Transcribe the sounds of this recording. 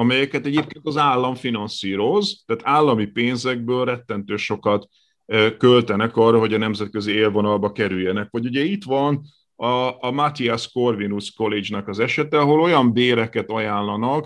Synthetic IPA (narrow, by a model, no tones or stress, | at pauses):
ɒmɛjɛkɛt̪ɛɟeːp̚keːnt̪ɒzaːlːɒɱfinɒnsiːɾo̞zt̪aːt̪aːlːɒmipeːnzɛɡ̚bøːlrɛt̪ːɛnt̪øːʃo̞kɒt̪ | kølt̪ɛnɛkɒːrɒɦo̞ɟɒnɛmzɛt̪̚kø̞zieːlvo̞nɒlbɒkɛɾyjːɛnɛkʋɒɟuɟɛit̪ʋɒn | ɒːmat̪iasko̞rvinusko̞led͡ʒnɒkɒzɛʃɛt̪ɛɒɦo̞lo̞jɒmbeːɾɛkɛt̪ɒjaːnlɒnɒk